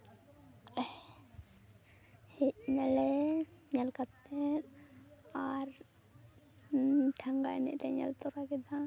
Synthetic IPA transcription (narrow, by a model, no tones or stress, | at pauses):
hɛc̚nɛlɛɲalkat̪ːɛt | aɾ | ʈʰaŋɡa̰ɛ̰nɛ̰ʔʈɛɲa̰lt̪ɔɾakɛd̪a